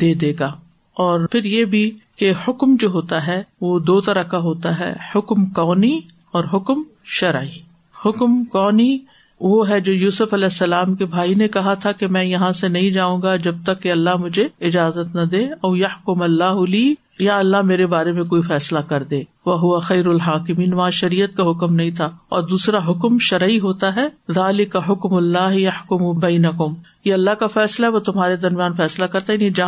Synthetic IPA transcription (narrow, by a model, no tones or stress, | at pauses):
d̪̥eːd̪eːɡaː | ɔːɾpʰɪɾjebʱikehʊkmd͡ʒoːɦoːt̪aɦɛʋoːd̪oːt̪ɐɾəkaɦoːt̪aɦɛ̰ːhʊkmkɔːni | ɔːɾɦʊkm | ʃɐɾʕiː | hʊkmkɔːni | ʋoɦɛd͡ʒoːjuːsʊfɐlɛːsːɐlaːmkebʱaːinekɐɦat̪ʰakemɛ̃ːjɐɦãsenɐɦĩd͡ʒaːũːɡad͡ʒɐb̚t̪ɐkːeɐlːaɦmʊd͡ʒʱeɪd͡ʒaːzət̪nɐd̪eːɐːjɐħkʊmɐlːaːɦʊliː | jaɐlːaɦmeːɾebaːɾemẽkoːifɛːslakɐɾd̪ẽː | ʋɐɦʊʋɐxɐːɾɐlɦaːkɪmiːnʋɐɦãʃɐɾiːət̪̚kaɦʊkmnɐɦĩt̪ʰaːɔːɾd̪uːsɾaɦʊkmʃɐɾiɦoːt̪aɦɛːðaːlɪkɐɦʊkmʊlːaːɦjɐħkʊmubɐːnɐkʊmjeɐlːaɦkafɛːslaɦɛʋot̪ʊmɦaːɾed̪ɐɾmijaːnfɛːslakɐɾt̪aɛjɐnid͡ʒɐɦ